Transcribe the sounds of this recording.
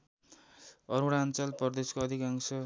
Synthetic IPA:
ʌɾuɽant͡sʌlpʌrʌd̪eskoʌd̪ʱikaŋsʌ

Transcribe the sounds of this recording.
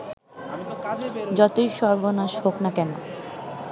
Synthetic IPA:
d͡ʑɔt̪ejʃɔɾbonaʃhoknakɛno

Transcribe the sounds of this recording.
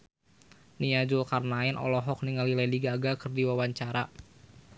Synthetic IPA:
niad͡ʒʊlkarnaɪnʔɔ̰lɔɦɔk̚niŋaliladiɡaɡakɨrdiwawaɲt͡ʃaɾa

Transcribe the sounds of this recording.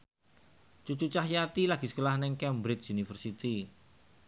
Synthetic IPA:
t͡ʃut͡ʃut͡ʃahjat̪ilaɡ̥i̤sə̥kolahnɪŋkɛmbɾɪt̪sunifərsit̪i

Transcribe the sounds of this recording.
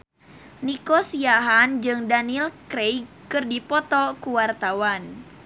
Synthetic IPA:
nikɔsiaɦand͡ʒɨŋdanilkɾej | kɨrdipɔt̪ɔkuwart̪awan

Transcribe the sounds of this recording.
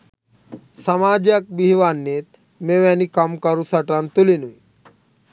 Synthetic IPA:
səmad͡ʑjak̚biɦʋanːet̪ | meʋjanikamkaɾusaʈant̪ulinuj

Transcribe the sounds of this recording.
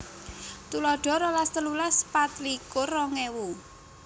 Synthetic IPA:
t̪ulɔɖ̥ɔ̤ɾɔlast̪əlulaspat̪likʊrɔŋɛwu

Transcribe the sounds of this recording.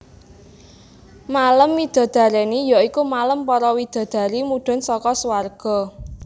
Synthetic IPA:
maləmːid̪̥ɔ̤d̪̥a̤ɾɛnijɔikumaləmpɔɾɔwid̪̥ɔ̤d̪̥a̤ɾimuɖ̥ɔ̤nsɔkɔswarɡ̥ɔ̤

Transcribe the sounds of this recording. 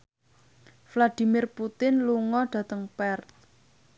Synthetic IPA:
flad̪̥i̤mɪrput̪ɪnluŋɔɖ̥ä̤t̪əŋpɛrt̪̚

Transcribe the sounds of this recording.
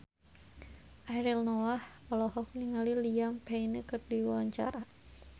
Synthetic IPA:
ʔajɾilnɔwahɔlɔɦɔk̚niŋaliliampainəkɨrdiwawaɲt͡ʃa̰ɾa

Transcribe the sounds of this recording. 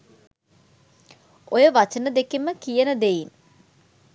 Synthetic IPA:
ojəʋat͡ʃənəd̪ekimːəkijənəd̪ejin

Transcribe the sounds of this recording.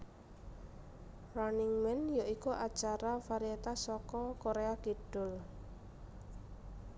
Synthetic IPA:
ranɪŋmɛnjoʔikuʔat͡ʃaɾafaɾiat̪asɔkɔkoɾeaɡ̥iɖ̥ʊ̤l

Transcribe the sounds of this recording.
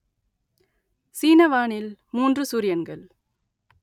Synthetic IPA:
siːnɐʋaːnɪlmuːndrɯsuːɾɪjɐnɡɐɭ

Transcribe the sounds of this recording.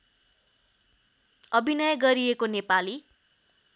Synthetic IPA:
ʌbʱinʌjɡʌɾiekonepali

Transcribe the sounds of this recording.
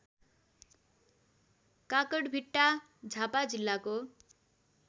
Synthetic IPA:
kakʌɽbʱiʈːa | d͡zʱapad͡zilːako

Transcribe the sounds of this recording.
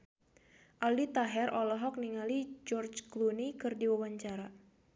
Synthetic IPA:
ʔalit̪aɦɛrʔɔlɔɦɔk̚niŋalid͡ʒɔrt͡ʃklunikɨrdiwawaɲt͡ʃaɾa

